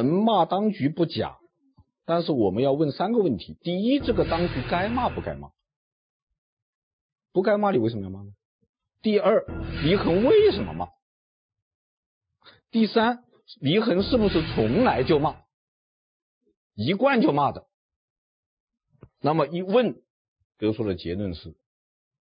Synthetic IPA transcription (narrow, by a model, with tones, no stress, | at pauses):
ə˧˥nma˥˩t̪ɑ˥ŋt͡ɕy˧˥pu˥˩t͡ɕja̰˨˩˦ | t̪a˥˧nʂɻ̩˥˩wɔ˨˩mə˦njɑ˥˧ʊwə˥˩nsa˥nɡə˨˧wə˥˩nt̪ʰḭ˧˥t̪i˥˧i˥ʈ͡ʂɤ˥˩ɡə˩t̪ɑ˥ŋt͡ɕy˧˥ka˥ɪma˥˧pu˥˩ka̰˥ɪma̰˥˩ | pu˧˥ka˥ɪma˥˩li˨˩wʂə˧m˧˥˩ma˥˩nə˩ | t̪i˥˧ə˞˥˩li˧˥xə˧˥nwe˥˩ɪʂə˧˥nmə̰˧ma̰˥˩ | t̪i˥˩sa˥n | li˧˥xə˧˥nʂɻ̩˥˩bu˨˩ʂɻ̩˥˩t͡sʰʊ˧˥ŋla˧˥ɪt͡ɕjo˥˧ʊma˥˩ | i˧˥kwa˥˧nt͡ɕjo˥˧ʊma˥˩d̪ə˩ | na˥˩mə˩i˥wə˥˩n | t̪ɤ˧˥ʂʰwɔ˥˩lə˨˩t͡ɕjɛ̰˧˥nwə˥˧nʂɻ̩˥˩